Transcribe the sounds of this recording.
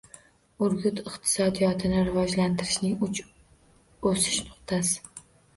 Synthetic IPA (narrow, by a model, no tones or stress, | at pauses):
ʊɾɡʲʊt̪ɪqt̪ʰɪ̥sɒd̪ijɒt̪ʰɪnɪɾɪvɒd͡ʒlant̪ʰɪɾɪʃnɪŋʊt͡ʃ | osɪ̥ʃnʊ̥qt̪ʰasɪ̥